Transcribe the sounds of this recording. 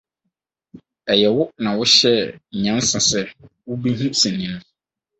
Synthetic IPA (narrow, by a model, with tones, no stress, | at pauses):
ɛ˨jɛ˨wʊ˦nã˨wʊ˦ɕɛ˦˨ɲã˦n˦sã˨sɛ˦ | wʊ˦bi˦ɦũ˦sɛ̃˨nĩ˦ñ˦